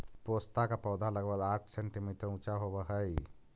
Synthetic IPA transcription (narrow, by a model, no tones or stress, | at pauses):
poːst̪akapɔːd̪ʱaləɡbəɡaːʈʰsɛɳʈimiːʈəɾũt͡ʃaɦobəɦəj